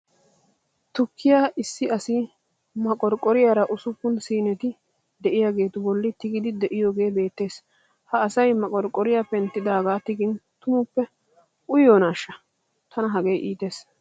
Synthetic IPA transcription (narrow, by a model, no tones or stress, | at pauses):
t̪ʊkʰːɪjaːɪsːɪɐsɪ | mɐkʼɔɾkʼːɔɾɪjaːɾɐʔʊsʊpːʊnsiːnɛt̪ɪ | d̪ɛʔɪjaːɡe̞ːt̪ʊbɔlːɪt̪ɪɡɪd̪ɪd̪ɛʔɪjo̞ːɡe̞ːbe̞ːt̪ːe̞ːs | hɐːsɐjmɐkʼɔɾkʼːɔɾɪjaːpːɛnt̪ːɪd̪aːɡaːt̪ɪɡɪnt̪ʊmʊpːɛ | ʊjoːnaːʃːɐ | t̪ʰɐnɐɦɐɡejʔiːt̪e̞ːs